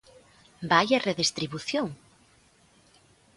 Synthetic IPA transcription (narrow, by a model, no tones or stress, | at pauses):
bajɐreðest̪ɾiβuθjoŋ